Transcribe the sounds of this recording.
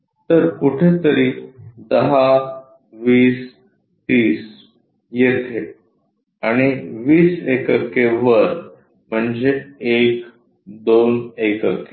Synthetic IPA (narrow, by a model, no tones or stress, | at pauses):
t̪əɾkuʈʰet̪əɾiːd̪əɦa | ʋiːs | t̪iːs | jet̪ʰe | aɽ̃iʋiːsekəkeʋəɾ | m̤əɳd͡zeek | d̪onekəke